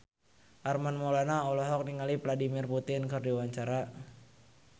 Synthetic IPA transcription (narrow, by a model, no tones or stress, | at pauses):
ʔarmanmɔlanaɔlɔɦɔk̚niŋalipladimirput̪ɪnkɨrdiwaɲt͡ʃaɾa